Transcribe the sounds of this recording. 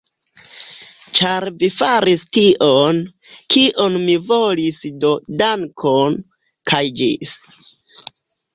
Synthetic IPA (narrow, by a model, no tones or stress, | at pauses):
t͡ʃaɾvifaɾistiʔon | kiʔo̞nmivo̞lisdo̞daŋkʰon | kʰajd͡ʒis